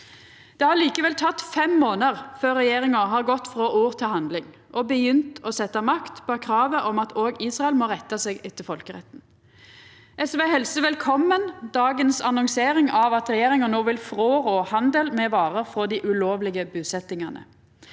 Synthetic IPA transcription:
d̪̥ɛːhɑliːkəʋɛlt̪ʰɑt̪ːfɛmːoːnəʁføːʁɛjeːʁɪŋəɦɑːʁɡɔt̪ːfɾoːʔuːʁt̪ʰɪlhɑnd̪lɪŋ | ʔɔbəjʏnt̪ɔsɛt̪ːɑmɑkt̪pbɔkʰɾɑːʋəʔɔmɑt̪oːɡiːsʁɑɛlmɔʁɛt̪ːɑseːɡɪt̪ːəfɔlkəʁɛ̰t̪n̩ | ʔɛsʋeːhɛlsəʋɛlkʰɔmːənd̪ɑːɡənsɑnɔŋseːɾɪŋɑʋɑt̪ɾɛjeːɾɪŋənoːʋɪlfʁoːʁoːhɑnd̪əlmɛʋɑːʁəʁfʁɔd̪iːʔʉloːʋlɪɡəbʉːsɛt̪ɪŋɑnə̰

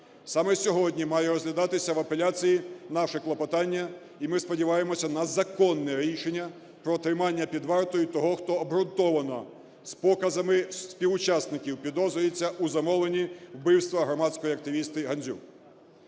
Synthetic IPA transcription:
sɑmɛsʲɔɦɔdʲnʲimɑjɛɾɔzlʲɐd̪ɑt̪ɪsʲɐʋɐpelʲat͡sʲijinɑʃɪklˠɐpɐt̪ɑnʲːɐ | imɪspɔdʲiʋɑjemɔsʲɐnɐzɐkɔnːɛɾʲiʃenʲːɐ | pɾɔt̪ɾɪmɑnʲːɐpʲid̪ʋɑrt̪ɔjʊt̪ɔɦɔxt̪ɔːbɦɾʊnt̪ɔʋɐnɔ | spɔkɐzɐmɪsʲpʲiʋʊt͡ʃasnɪkʲiwpʲid̪ɔzʊjet͡sʲːɐʔuzɐmɔlˠenʲiwbɪwst̪ʋɐɦɾɔmɑtʲsʲkɔjiɐk̚t̪ɪʋʲist̪ɪɦɐnʲzʲṵ

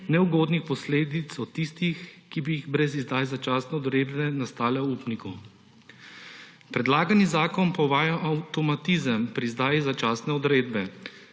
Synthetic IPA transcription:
nɛuɡoːd̪nixpɔsleːd̪it̪sɔt̪ist̪ixkibiːɣbɾɛzizd̪ajzat͡ʃaːsnɛɔd̪ɾeːd̪bɛnast̪aːlɛupniku | pɾɛd̪laːɡanizaːkɔnpɔʋaːjaʔawt̪ɔmat̪izəmpɾizd̪aːjizat͡ʃaːsnɛɔd̪ɾeːd̪bɛ

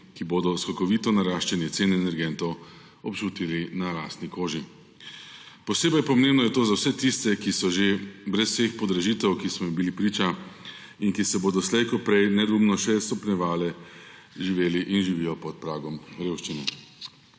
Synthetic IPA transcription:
kiboːd̪ɔskɔkɔʋiːt̪ɔnaɾaːʃt͡ʃɛnjɛt̪seːnɛɛnɛɾɡɛnt̪ɔw | ɔpt͡ʃuːt̪ilinaɾaːst̪nikoːʒi | pɔseːbɐjpɔmẽmbnɔjɛt̪oːzawsɛt̪ist̪ɛkisɔʒebɾɛswsexpɔd̪ɾɛʒiːt̪ɛwkismɔibilipɾiːt͡ʃa | inkisɛboːd̪ɔslɛjkɔpɾɛjnɛd̪umnɔʃɛst̪ɔpnʲɛʋaːlɛ | ʒiʋeːliʔinʒiʋijɔpɔt̪̚pɾaːɡɔmɾeːwʃt͡ʃinɛ

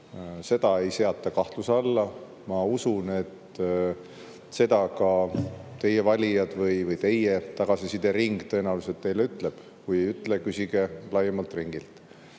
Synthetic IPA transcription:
se̞d̪̥ɑe̞jse̞ɑt̪ːˑɑkɑht̪lusɑlːɑ | mɑusune̞t̪ | se̞d̪̥ɑkɑt̪e̞je̞vɑlʲijɑd̪̥vɯjvɯjt̪e̞jet̪ɑɡ̥ɑsisid̪e̞ɾiŋɡ̥t̪ɤ̞enɑuwluset̪ːe̞jle̞yt̪le̞b̥ | kujejyt̪ːˑlekysiɡ̥e̞lɑjemɑlt̪riŋɡ̥ilt̪

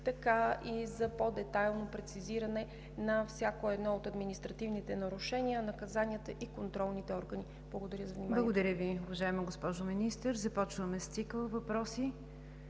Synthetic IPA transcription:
t̪ɐkaʔizɐpod̪ɛt̪ajlˠnopɾɛt̪siziɾɐnɛ | nɐfsʲjakoɛd̪nɔot̪ɐd̪minist̪ɾɐt̪ivnit̪ɛnɐɾuʃɛniənɐkɐzanʲiət̪əʔikont̪ɾɔlˠnit̪ɛɔɾɡəni | b̥lˠəɡod̪ɐɾʲjəzɐvnimbalˠɡod̪ɐɾʲəviʊvɐʒaɛməɡospɔʒominist̪əɾzɐpɔt͡ʃvəmɛst̪sikəlˠvɐpɾɔsi

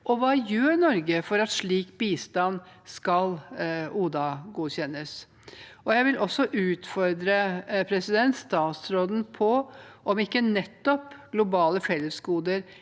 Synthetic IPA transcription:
ʔɔʋɑːjøːɾnɔɾɡəfɔɾɑt̪ʂɭiːkbiːst̪ɑnskɑluːd̪ɑɡuːçɛnːəs | ɔjæɪʋɪlʔɔsːɔʔʉːt̪fɔɾd̪ɾəpʰɾɛsɪd̪ɛnt̪st̪ɑːt̪sɾoːd̪n̩pʰɔʔɔmɪkːənɛt̪ːɔpɡ̥lʊbɑːləfɛlːəsɡuːd̪əɾ

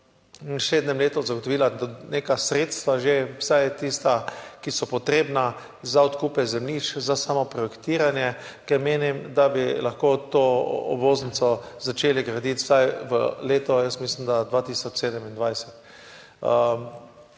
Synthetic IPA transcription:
nʃeːd̪nɛmleːt̪ɔzaɡot̪ɔʋiːlaneːkasɾet̪st̪ʋaʒewsajt̪ist̪akisɔpɔt̪ɾeːbna | zaɔt̪kupajzɛmliːt͡ʃzasamɔpɾɔjɛkt̪iːɾanjɛ | kɛɾmeːnimd̪abilaxkoːt̪oːɔ̰bʋoːznit͡s̪sɔzat͡ʃeːliɡɾad̪it̪wsajʋə̰leːt̪ɔjəst̪mislimd̪ad̪ʋat̪iːsɔt͡ʃseːd̪ɛmind̪ʋajsɛt̪ | ə

